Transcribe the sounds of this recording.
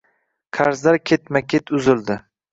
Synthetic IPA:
qʰaɾzd̪aɾkʲʰet̪makʲʰet̪ʰʊzɪld̪ɪ

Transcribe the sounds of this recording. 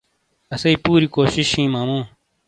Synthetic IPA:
ɐsɐipuːɾikoːɕiɕhĩːmaːmũː

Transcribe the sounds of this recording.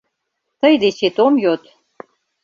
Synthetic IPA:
t̪əjd̪et͡ɕet̪omjot̪

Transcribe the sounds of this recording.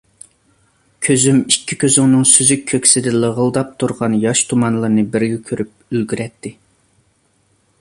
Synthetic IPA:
kʲʰøzymikʲʰːikʲʰøzɪŋnɨŋsyzyk̚ʲʰːøkʲsɪd̪ɪlˠəʁəlˠd̪ɑp̚t̪ʰuɾʁɑnjɑʃt̪ʰumɑnlˠɨɾnɨbɪɾɡʲɛkʲʰøɾʔyp̚ | ylɡʲyɾɛt̪ʰːɪ

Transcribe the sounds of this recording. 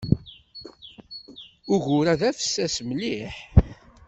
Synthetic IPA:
ʊʝʊɾæðæfə̥sːæsməliħ

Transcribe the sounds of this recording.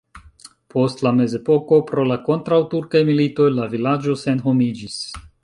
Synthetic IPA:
po̞stlame̞ze̞po̞ko̞pɾo̞lako̞ntɾawtuɾkajmilito̞jlavilad͡ʒo̞se̞nɦo̞mid͡ʒis

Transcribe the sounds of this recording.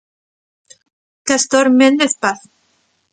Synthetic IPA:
kast̪oɾmend̪eθpaθ

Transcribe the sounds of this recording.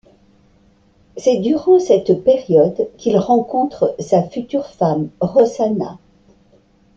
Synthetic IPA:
sɛd̪yʁɑ̃sɛt̪pɛʁjɔd̪kʲilʁɑ̃kɔ̃t̪χəsafyt̪yʁfamʁɔzana̰

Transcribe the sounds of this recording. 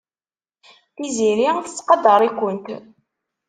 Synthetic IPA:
θiziɾiθə̥t͡sːqɑd̪əɾˤikʷːənt̪

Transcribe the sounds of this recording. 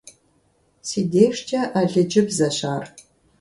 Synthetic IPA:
siːdeːʂt͡ʃʰʼɐʔɐɮɨd͡ʒɪpzɐɕaːr

